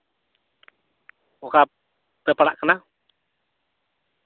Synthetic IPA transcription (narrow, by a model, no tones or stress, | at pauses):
ɔka | pɛpaɽa̰ʔkəna